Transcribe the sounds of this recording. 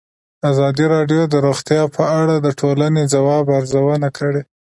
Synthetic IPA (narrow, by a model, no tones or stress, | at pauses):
azɑd̪iɾɑɖjod̪əɾoxt̪jɑpʰəaɽad̪əʈʰolanezawɑbaɾzawənakʰəɽe